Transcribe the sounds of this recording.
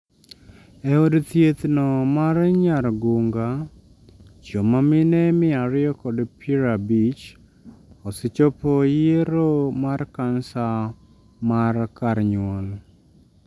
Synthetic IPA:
ɛodt̪jet̪nɔmarɲaɾɡuŋɡa | t͡ʃomamɪnɛmɪaɾɪjɔkɔdpʰiɾabit͡ʃ | ɔsɪt͡ʃopojeɾomarkansa | markaɾɲwɔl

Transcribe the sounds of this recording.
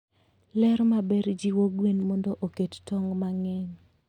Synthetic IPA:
lɛɾmabɛɾd͡ʒiwoɡwenmɔndɔʔokettɔŋmaŋɛɲ

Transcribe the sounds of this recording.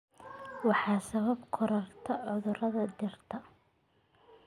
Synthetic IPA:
wɑħɑːsɐβɐbkʰʊɾɐrt̪ʰɐʕʊðʊɾɐðɐd̪ɪrt̪ʰɐ

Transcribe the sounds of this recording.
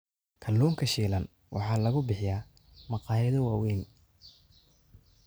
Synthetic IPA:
kʰɐlːuːŋkʰɐʃiːlɐn | wʔɑ̰ħɑːlɐɣʊbɪħɪjaː | mɑqɑːjɐðʊwɑːwɛːn

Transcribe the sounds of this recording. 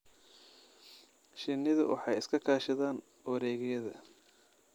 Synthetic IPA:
ʃɪnːɪðʊ̰wʔɑ̰ħɑjɪskʰɐkʰaːʃɐðaːn | wɐɾɛːɣɛjɐðɐ̰

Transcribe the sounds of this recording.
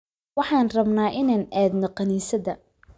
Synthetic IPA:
wɑħɑːnrɐbnaːʔɪnaːnʔɛːd̪nɔqɑniːsɐðɐ

